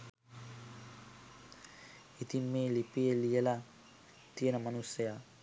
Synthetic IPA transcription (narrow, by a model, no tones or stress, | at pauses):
it̪imːeːlipijelijɐla | t̪ijɐnɐmɐnusɐja